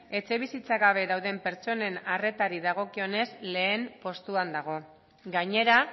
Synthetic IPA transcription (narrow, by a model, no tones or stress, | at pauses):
e̞t͡se̞β̞isit͡saɣaβ̞e̞ðawðe̞mpe̞ɾt͡ʃo̞ne̞nare̞t̪aɾiðaɣ̞o̞kio̞ne̞zle̞ːmpo̞st̪uand̪aɣ̞o̞ | ɡaɲe̞ɾa